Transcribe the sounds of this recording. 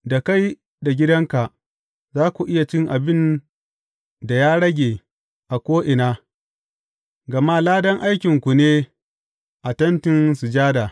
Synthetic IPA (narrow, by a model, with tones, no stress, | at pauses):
da˨ka˦j | da˨ɡʲɪ˦dɐ˦ŋka˨ʔ | zaː˦kʷu˨ʔɪ˦ja˨t͡ʃɪ˦ŋʔa˨bɪ˦n | da˨jaː˦ɽɐ˦ɡʲeː˨ | ʔa˨kʷoː˦ʔɪ˨naː˦ | ɡɐ˨ma˦laː˦dɐ˦ŋʔa˦jkʲɪ˨ŋkʷu˨neː˦ | ʔa˨tɐ˦ntɪ˦nsu˨d͡ʒaː˦da˨